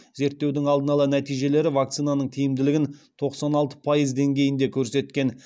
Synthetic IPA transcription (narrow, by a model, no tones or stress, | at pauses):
ze̞ɾt̪ːe̞wd̪ɪŋɑlˠd̪ənɑlˠɑnæt̪ijʒe̞le̞ɾɪvak̚t̪sijnanəɴt̪ʰijɪmd̪ɪlɪɡʲɪnt̪ʰo̞qsɑnɑlˠt̪ə̥pʰajəzd̪e̞ŋɡʲe̞jɪnd̪e̞kʲʰɵɾse̞t̪kʲe̞n